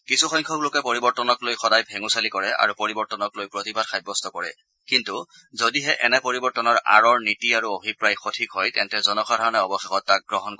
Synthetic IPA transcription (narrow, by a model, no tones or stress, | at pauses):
kisuxɔjŋkʰɔklokɛpɔɹibɔɹtɔnɔklojxɔdajbʱeŋusalikɔɹɛa̰ɹupoɹibɔɹtɔnɔklojpɹotibadxʰajbːɔstɔkɔɹɛ̰ | kintu | zodiɦɛʔɛnɛpoɹibɔɹtɔnɔɹa̰ɹɔɹnitiaɹuobʱipɹajxotʰikɦɔjtɛntɛzɔnɔxʰadʱaɹɔnɛɔbɔxɛxɔtːak̚ɡɹɔɦɔnkɔ